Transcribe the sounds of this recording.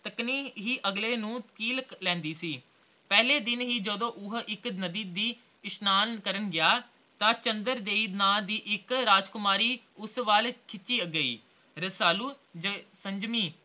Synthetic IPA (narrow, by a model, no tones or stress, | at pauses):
t̪əkniːɦiːʔəɡleːnũːkiːlklɛ̃ːnd̪iːsiː | pɛːɦleːd̪ɪnɦiːd͡ʒəd̪õːʔʊɦɪknəd̪iːd̪iː | ɪsnaːnkəɾənɡɪjaː | t̪ãːt͡ʃənd̪əɾd̪eːiːnaːd̪iːʔɪkɾaːd͡ʒkʊmaːɾiː | ʊsʋaːlkʰɪt͡ʃːt͡ʃiːəɡːəḭː | ɾəsaːluː | d͡ʒəsəɲd͡ʒmiː